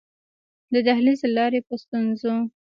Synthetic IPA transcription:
d̪əd̪ahlizlɑɾepəst̪unzo

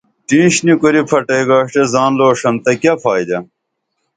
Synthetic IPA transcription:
ʈĩːɕnikuɾipʰɐʈejɡaːʂʈezaːnloːʂɐnt̪ɐkjɐfʰaːid̪ɐ

